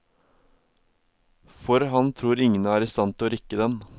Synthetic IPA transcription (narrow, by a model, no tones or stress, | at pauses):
fɔɾɦɑnt̪ʰɾuːɾɪŋnɑæːɾɪst̪ɑnt̪ʰɪoːɾɪkəd̪ɛn